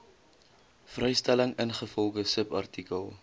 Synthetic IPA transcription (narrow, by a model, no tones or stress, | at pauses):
frɛjstæləŋənχəfɔlˠχəsəpɐ̰rtikəlˠ